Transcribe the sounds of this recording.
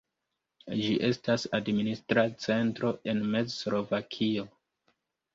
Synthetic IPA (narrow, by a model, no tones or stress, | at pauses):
d͡ʒiʔe̞stasadministɾat͡se̞ntɾo̞ʔe̞nme̞d͡zslo̞vakʰio